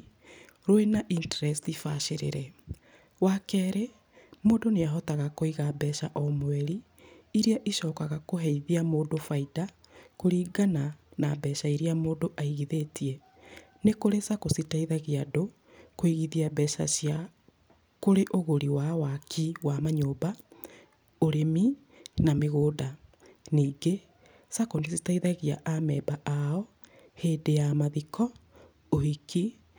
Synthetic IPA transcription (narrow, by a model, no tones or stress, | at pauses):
ɾoenaʔintɛɾɛstifaʃeɾḛɾɛ | wakɛːɾe | moːdoneaɦɔtaɣakoiɣabɛʃaʔɔmoɛɾiː | ɾiaʔiʃɔːkaɣakoɦɛiðiamoːdofaida | koɾiːɡananabɛʃaiɾiamoːdoʔaiɣiðetiɛ | nekoɾesakositaiðaɣeado | koiɣiðiabɛʃa̰sja | koɾeʔoɣoɾiwawakʰiwamaɲoːba | oɾemi | nameɣoːda | niːŋɡe | sakonesitaiðaɣiaʔamɛːbaʔaɔ | heːdejamaðikʰɔ | ohiki